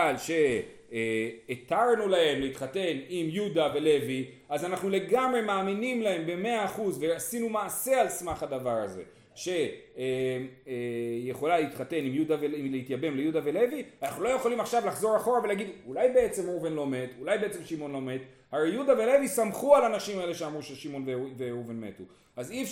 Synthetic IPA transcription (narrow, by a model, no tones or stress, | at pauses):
alʃe̞ | t̪aʁnulahe̞mleit̪χat̪e̞nimjud̪ave̞le̞vi | azanaχnule̞ɡamʁe̞maːminimlae̞mbe̞me̞aːχuzve̞asinumaːse̞alsmaχhad̪avaʁa̰ze̞̰ | ʃe̞ | mejeχo̞laleit̪χate̞nimjud̪aveilehitjabe̞mlejud̪ave̞le̞vianaχnulo̞je̞χolimaχʃavlaχzo̞ʁaχo̞ʁave̞laɡid̪ulajbe̞et͡se̞movenlo̞me̞t̪ulajbe̞et͡se̞mʃimo̞nlo̞me̞t̪ | haejudave̞le̞visamχualanaʃimae̞le̞ʃeamʁuʃeʃimo̞nveveovenmḛtu | azif